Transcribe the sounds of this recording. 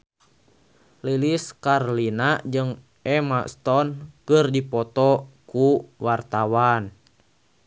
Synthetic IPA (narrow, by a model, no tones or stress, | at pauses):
liliskarlinad͡ʒɨŋ | ɛmast̪ɔnkɨrdipɔt̪ɔkuwart̪awan